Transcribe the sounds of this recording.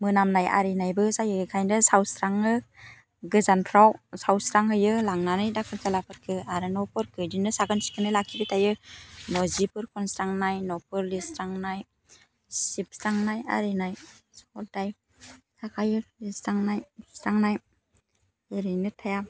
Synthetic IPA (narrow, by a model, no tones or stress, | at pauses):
mɯnamnaja̰ɾinajbɯsajɯɯkʰajndɯsawsɾaŋɯ | ɡɯzanpʰɾawsawsɾaŋhɯjɯlaŋnanɯjdakʰɯɾkʰalapʰɯɾkʰɯaɾɯnɔpʰɯɾkʰɯdinɯsaɡɯnsi̥kʰɯnɯjlakʰibɯtajɯnɔzipʰɯɾkʰɔnsɾaŋnajnɔpʰɯɾlisɾaŋnaj | sip̚sɾaŋnaja̰ɾinajsɔltaj | sakʰajɯlisɾaŋnajsaŋnaj | eɾɯnɯtʰaja